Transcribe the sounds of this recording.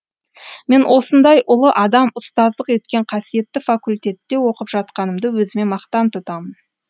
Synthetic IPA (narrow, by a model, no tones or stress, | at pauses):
me̞nwʔo̞sənd̪ɑjʔʊlˠəʔɑd̪ɑmʊst̪ɑzd̪ˠəqe̞t̪kʲe̞ɴqʰɑsije̞t̪ːɪfakulʲt̪ʲe̞t̪ːe̞wo̞qəpʒ̥ɑt̪̚qɑnəmd̪əwɵzɪme̞mɑqt̪ɑnt̪ʰʊt̪ɑmən